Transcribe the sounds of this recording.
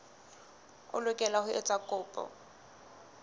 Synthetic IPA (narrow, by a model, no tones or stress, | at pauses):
ʊ̰lʊkʼɛlahʊʔɛ̰t͡sʼakʼʊːpʼɔ̰